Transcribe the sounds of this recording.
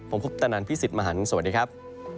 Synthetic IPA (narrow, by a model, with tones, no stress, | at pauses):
pʰo˩˦mpʰu˦˥p̚t̪a˧naː˧npʰi˦˥˩si˨t̪̚ma˧ɦaː˨˦n˩sa˧wa˩t̚diː˧kʰa˦˥p̚